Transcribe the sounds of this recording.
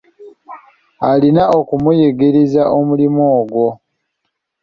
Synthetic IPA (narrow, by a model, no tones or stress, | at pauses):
alinao̞kumujeɡeɾizaʔomulimoːɡwo̞